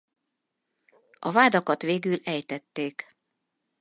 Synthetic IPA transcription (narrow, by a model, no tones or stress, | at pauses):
ɒvaːd̪ɒkɒt̪ʋeːɡylɛjt̪ɛt̪ːeːk